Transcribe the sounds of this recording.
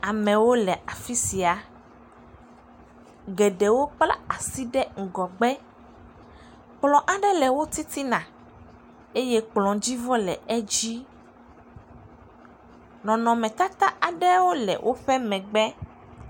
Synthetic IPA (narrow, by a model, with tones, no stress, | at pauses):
a˨mɛ̃˨wo˦lɛ˨a˨fi˦si˨a˨ | ɡɛ˨ɖɛ˨wo˦k͡pla̰˦a˨si˦ɖɛ˦ŋ̩˨ɡɔ˨ɡ͡bɛ˦ | k͡plɔ̃˨ʔa˨ɖɛ˦lɛ˨wo˦t̪i˦t̪i˦nã˨ | e˦jɛ˦k͡plɔ̃˨d͡ʑi˦vɔ˦lɛ̰˨ʔɛ˦d͡ʑi˦ | nɔ̃˨nɔ̃˨mɛ̃˨t̪a˦t̪a˦a˨ɖɛ˦wo˦lɛ̰˨wʔo˦ɸɛ˦mɛ̃˨ɡ͡bɛ˦